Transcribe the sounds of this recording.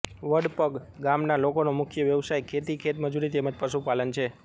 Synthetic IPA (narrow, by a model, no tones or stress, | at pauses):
ʋəɽpəɡɡamnalokonomʊkʰjəʋjəʋsajkʰet̪ikʰet̪məd͡ʒuɾit̪eməd͡ʒpəʃupalənt͡ʃʰe